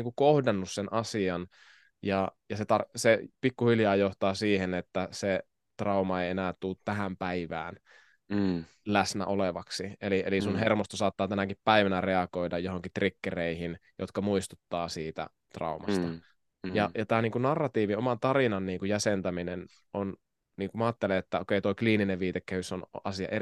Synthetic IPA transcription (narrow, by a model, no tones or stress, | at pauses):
iːŋkukohdɑnːussenʔɑsiɑn | jɑjɑset̪ɑrsepikːuhiljɑːjoht̪ɑːsiːhenet̪ːæse | t̪rɑumɑeienæːt̪t̪ulːt̪t̪æhæmpæiʋæ̰ːn | læsnæ̰ʔoleʋɑksieliḛlisunhermost̪osɑːt̪ːɑːt̪ænækippæiʋænæreɑkoidɑjjoɦoŋkit̪rikːereihinjo̰t̪kɑmuist̪ut̪ːɑːsiːt̪æ̰ | t̪rɑ̰umɑ̰st̪ɑ | jɑjɑt̪æːniːŋkunɑrːɑt̪iːʋiomɑnt̪ɑrinɑnniːŋkujæsent̪æminen | ʔon | niːŋkumɑːt̪ːeleet̪ːæokeit̪oikliːnineʋʋiːt̪ekːæhysonʔɑ̰siɑ̰ʔe